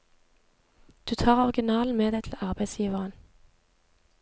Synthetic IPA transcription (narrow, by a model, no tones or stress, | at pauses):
d̪̥ʉːt̪ʰɑːʁɔʁɡɪnɑːln̩meːd̪æɪt̪ʰl̩ɑʁbæɪsjiːʋəʁən